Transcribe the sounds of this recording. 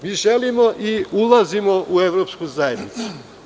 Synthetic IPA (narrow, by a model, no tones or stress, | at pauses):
miːʒelimoʔiulˠazimoʔueʋɾopskuzajed̪nit̪su̥